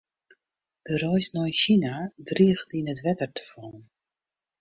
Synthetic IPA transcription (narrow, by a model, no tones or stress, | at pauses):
d̥ərɔjsnɔjnʃinadriəɣtinətʋɛtərtʰə̥fɔːn